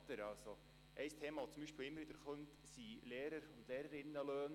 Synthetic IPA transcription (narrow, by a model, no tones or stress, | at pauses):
t̪əɾɑlso | ʔɛjst̪ʰeːmɑːʋot͡sʊmbiʃpiːlɪmːəɾʋɪd̥̪əɾχœnt̪ | sileːɾəɾʊnd̥̪leːɾəɾɪnːəløːn